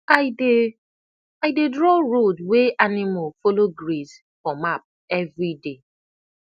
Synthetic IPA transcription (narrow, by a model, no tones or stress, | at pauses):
aɪde | aɪdedɹɔɹodweʔanimalfoloɡɹiz | fɔmap̚ | ɛvɹide